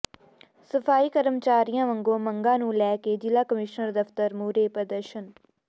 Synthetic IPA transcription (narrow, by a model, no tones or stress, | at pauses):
səfʰaːiːkəɾəmt͡ʃaːɾijãːʋəŋɡõːməŋɡãːnũːlɛːkeːd͡ʒɪlaːkəmɪʃnəɾd̪əft̪əɾmuːɾeːpɾəd̪əɾʃən